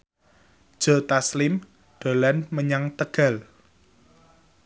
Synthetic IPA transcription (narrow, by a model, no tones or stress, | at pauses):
d̥ʒ̥ɔ̤t̪aslɪm | ɖ̪̥o̤lanməɲaŋt̪əɡ̥a̤l